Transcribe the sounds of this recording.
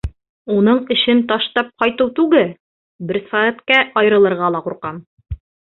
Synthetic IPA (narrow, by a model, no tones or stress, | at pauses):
unɤɴɘ̆ɕɘnt̪ɒʃt̪ɑp̚qɒjt̪ɤwt̪ʉɡɘl | bɘ̆ɾsææt̪kæʔɒj̆ɾɤ̆lˠɤ̆ɾʁɑlˠɑquɾqɑn